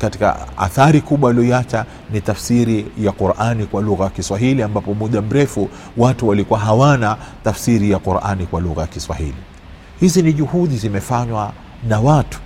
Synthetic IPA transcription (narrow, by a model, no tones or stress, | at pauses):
kati̥ka̰a̰θaɾikuɓwaaliɔiat͡ʃa | nitafsiɾijaquɾʔanikwaluɣajakiswaɦiliambapɔmuɗam̩ɾɛfu | watuwalikuwaɦawanatafsiɾijaquɾʔa̰nikwaluɣajakiswa̰hili | hiziniʄuhuɗizimɛfaɲwa | nawatu̥